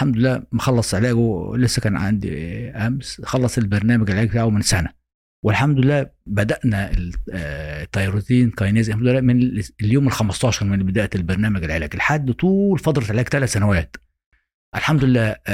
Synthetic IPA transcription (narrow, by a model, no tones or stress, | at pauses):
ħamd̪olelːæːmæxɑlːɑsˤʕelæːɡlesːækæːnʕa̰nd̪ḭʔæmsxɑlːɑsˤelbɑɾˤnæːmæɡlʕelæːɡbt̪aːʕwmensænæ | welħamd̪ʊlelːæːbæd̪æʔnæe | t̪ˤːɑjɑɾˤot̪iːnkɑjneːzħamd̪lːæːmenljoːmelxæmɑst̪ˤɑːʃɑɾˤmenbed̪æːʔælbɑɾˤnæːmæɡelʕelæːɡelħad̪ːt̪ˤuːlfɑd̪ˤɾˤɑt̪ʕelæːkt̪ælæt̪sænæwæːt̪ | ʔælħamd̪olelːæː